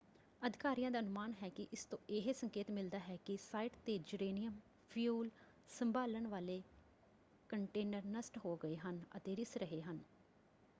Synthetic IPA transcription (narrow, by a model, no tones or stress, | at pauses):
əd̪ʱɪkaːɾijãːd̪aːənʊmaːnɦɛːkɪʔɪst̪õːʔɪɦesəŋkeːt̪mɪld̪aːɦɛːkɪsaːiɪʈt̪eːd͡ʒʊɾeːnijəm | pʰjuːl | səmbaːləɳʋaːleː | kəɳʈeːnəɾnəsʈɦoːɡəeːɦənə̰t̪eːɾɪsɾəɦeːɦən